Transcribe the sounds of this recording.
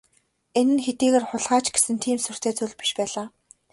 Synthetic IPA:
enɘ̆nxet̪iːɣeːrχʊɮʁaːt͡ɕɡe̥sɘ̆nt̪ʰiːmsɵr̥t̪ʰeːt͡sɵɮpi̥ʃpæːɮaː

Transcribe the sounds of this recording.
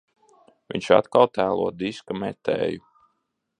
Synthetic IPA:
vḭɲʲt͡ʃa̰t̪kalˠt̪æːlˠuɔd̪iskamɛt̪ɛ̰ːju

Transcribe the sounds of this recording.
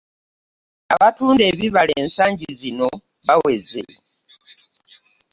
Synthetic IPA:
aβatuːnde̞ːβiβaleːnsaːɲɟizino̞βawe̞zḛ

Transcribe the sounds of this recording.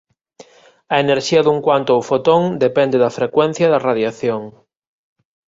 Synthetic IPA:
ɐeneɾʃiɐðuŋkwant̪oawfot̪oŋd̪epɛnd̪eðɐfɾekwɛn̟θjɐðɐraðjaθjoŋ

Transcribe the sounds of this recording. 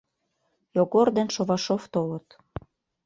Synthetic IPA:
joɣord̪enʃoβɑʃoft̪olə̆t̪

